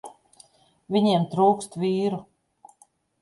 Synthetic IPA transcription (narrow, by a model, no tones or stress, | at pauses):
vʲiɲiɛmt̪ɾuːkst̪viːɾu